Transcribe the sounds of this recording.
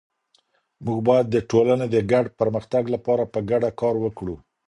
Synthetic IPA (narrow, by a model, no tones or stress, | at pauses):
muɡbɑjad̪ːəʈolaned̪əɡaɖpəɾməxt̪aɡlapɑɾapəɡaɖakɑɾwəkɽu